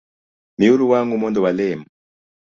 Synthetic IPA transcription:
miuɾuwaŋɡumɔndɔwalɛmu

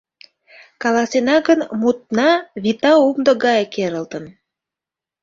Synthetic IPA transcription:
kɑlɑsenɑɡənmut̪̚nɑβit̪ɑumd̪ɤ̆ɣɑjkeɾə̆lt̪ə̆n

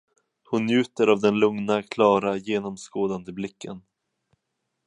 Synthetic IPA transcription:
hʊnːjʉ̟ːt̪əɾavd̪ɛnlɵŋnakʰlɑːɾajeːnɔmskoːd̪and̪əblɪkːən

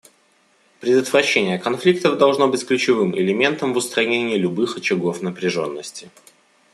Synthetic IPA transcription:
pɾʲɪd̪ət̪vɾɐɕːenʲɪjəkɐnflʲik̚t̪əvd̪ɐlˠʐno̞bɨtʲklʲʉt͡ɕɪvɨmɪ̰lʲɪmʲe̞nt̪əmvʊst̪ɾɐnʲenʲɪjəlʲʊbɨxɐt͡ɕɪɡo̞fnəpɾʲɪʐo̞̰nːəsʲtʲɪ

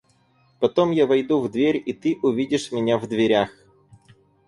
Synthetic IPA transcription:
pɐt̪omjavɐjd̪uvd̪vʲeɾʲit̪ɨʔʊvʲidʲɪʂmʲɪnʲavd̪vʲɪɾʲax

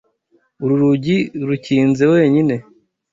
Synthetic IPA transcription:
uɾuɾuɟiɾuciːnze̞we̞ːɲine̞

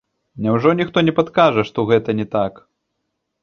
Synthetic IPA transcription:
nʲɛwʐɔnʲixt̪ɔnʲɛpat̪kaʐɐʂt̪ɔɣɛt̪ɐnʲɛt̪ak

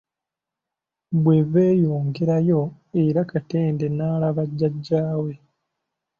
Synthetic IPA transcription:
bwe̞ve̞ːjoːŋɡeɾajo̞ | eɾakate̞ːnde̞naːlaβaɟːaɟːaːwe̞

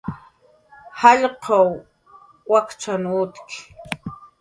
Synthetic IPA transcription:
hɑʎqɑw | wakt͡ʃanuːt̪kɪ̥

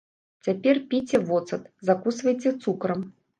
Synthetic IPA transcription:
t͡sʲapʲɛrpʲit͡sʲɛvɔt̪sɐt̪zakusvɐjt͡sʲɛt̪sukɾɐm

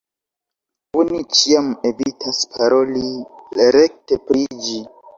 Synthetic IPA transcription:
onit͡ʃiame̞vitʰaspʰaɾo̞liɾek̚tepɾid͡ʒi

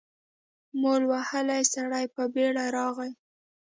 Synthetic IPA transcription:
molwahəlajsaɽajpəbeɽaɾɑɣaj

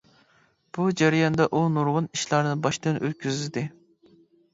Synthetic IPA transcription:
b̥ud͡ʒæɾijɑnd̪ɑʔunuɾwʊniʃlˠɑɾnɨbɑʃt̪ɨnø̰l̚kʲʰyzd̪ɪ

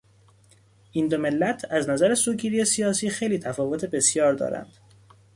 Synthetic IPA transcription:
ʔind̪ome̞lːæt̪ʰæznæzæɾesuːɟiːɾiːe̞sijɒːsiːxejliːt̪ʰæfɒːvo̞t̪ʰe̞be̞sjɒːɾd̪ɒ̰ːɾæ̰nd̪̥

